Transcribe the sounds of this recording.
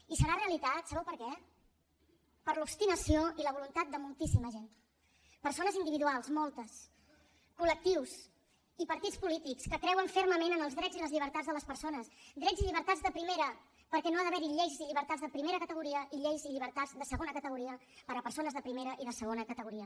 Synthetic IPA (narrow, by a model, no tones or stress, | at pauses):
isəɾareəlit̪at̪səβɛwpəɾkɛ | pəɾlupst̪inəsioiləβulunt̪at̪̚d̪əmulˠt̪isiməʒen | pəɾsonəzind̪iβiðualˠzmɔlˠt̪əs | kulək̚t̪iws | ipəɾt̪it͡spulit̪ikskəkɾɛwəɱferməmenənəlˠzðɾɛziləzʎiβəɾt̪add͡zzðələspəɾsonəsd̪ɾɛziʎiβ̞əɾt̪ad͡zzðəpɾimeɾə | pəɾkɛnoaðəβɛɾiʎejʒziʎiβəɾt̪ad͡zzðəpɾimeɾəkət̪əɣ̞uɾiəʔiʎejziʎiβəɾt̪azðəsəɣonəkət̪əɣuɾiə | pəɾəpəɾsonəzðəpɾimeɾəʔiðəsəɣ̞onəkət̪əɣuɾiə